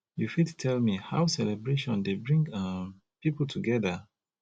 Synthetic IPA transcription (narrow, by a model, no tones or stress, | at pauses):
jufidtʰɛlmihawsɛlɛbɹeʃɔ̃ndebɹĩŋɡam | pipl̩tʰuɡɛða